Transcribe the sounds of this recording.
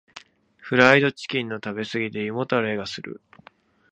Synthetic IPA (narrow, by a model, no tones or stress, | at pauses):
ɸɯ̟ɾaid̪o̞t͡ɕi̥kʲĩnːo̞t̪abe̞sɨɡʲit̪e̞jɯmo̞t̪aɾe̞ːɡasɨɾɯ̟̰